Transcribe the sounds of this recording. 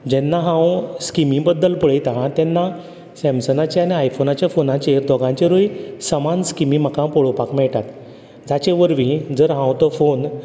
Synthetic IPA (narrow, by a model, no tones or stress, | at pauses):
d͡ʑɛnːaɦãwskimĩbəd̪ːəlpəɭejt̪aɦat̪ɛnːa | sɛ̃msənat͡ɕeaɽ̃iajfonat͡ɕjafonãt͡ɕeɾd̪ʱɔɡãɲt͡ɕeɾojsəmanskimĩm̤əkãpɔɭopakmɛɭʈat̪ | d͡zat͡ɕeʋəɾʋĩd͡zəɾɦãwt̪əfon